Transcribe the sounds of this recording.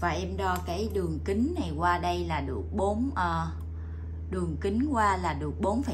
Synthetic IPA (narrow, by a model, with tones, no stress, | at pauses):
vaː˨˩ʔɛ˧mɗɔ˧kaː˨˦jɗɨ˨˩əŋkï˨˦ŋ̟na˨˩jkwaː˧ɗə˧jlaː˨˩ɗɨ˨˩ək̚ɓo˨˦nʔəː˧ | ɗɨ˨˩əŋki˨˦ŋkwaː˧laː˨˩ɗɨ˨˩ək̚ɓo˨˦nfaː˨˦